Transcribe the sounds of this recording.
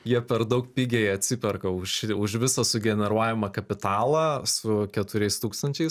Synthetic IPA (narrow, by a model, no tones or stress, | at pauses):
jiɛpʲɛɾd̪ɐʊkpʲiːɡʲeɐt̪ʲsʲɪpʲɛrkɐʊʃɪʊʃʋʲɪsɐsʊɡʲɛnʲɛɾuɔjʲɪmɐkɐpʲɪt̪ɑːlˠɐsʊkʲɛt̪ʊɾʲɛɪst̪uːkst̪ɐnʲt͡ʃʲɛɪs